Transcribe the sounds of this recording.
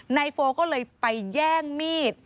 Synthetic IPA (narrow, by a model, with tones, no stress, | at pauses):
na˧jfoː˧kɔː˥˩lɤː˧jpa˧jjɛː˥˩ŋmiː˥˩t̪̚